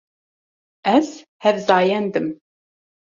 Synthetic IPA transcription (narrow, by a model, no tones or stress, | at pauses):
æz | hævzɑːjɛnd̪ɨm